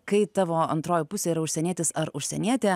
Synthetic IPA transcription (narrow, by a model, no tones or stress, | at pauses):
kɐɪt̪ɑːʋoːɐ̰nt̪ɾoːjɪpʊsʲeiːɾɐʊʃʲsʲɛnʲiɛt̪ʲɪsɐɾʊʃʲsʲɛnʲiɛt̪ʲeː